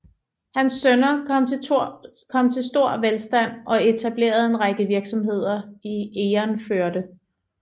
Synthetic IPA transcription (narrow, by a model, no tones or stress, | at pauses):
hænsːønɐ̰ | kʰɒ̽m̰t͡sʰe̝lsd̥o̝ɐ̰ʋelsd̥æn̰ɒ̽e̝t͡sʰæb̥le̝̰ːɐð̞̩ˠe̝nʁaɡ̥əʋiɐɡ̥sɒ̽mɦe̝ð̞̰ˠɐieːɐnføɐd̥ə